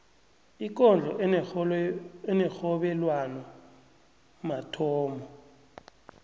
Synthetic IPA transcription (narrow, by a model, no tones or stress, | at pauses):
ik̬ɔnd͡ɮʱɔ | ɛnɛxɔɓɛlwanɔ | matʰɔːmɔ